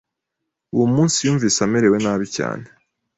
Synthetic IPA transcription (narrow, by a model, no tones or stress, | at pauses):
ujumuːnsijuːɱviːsameɾe̞we̞naːβica̰ːne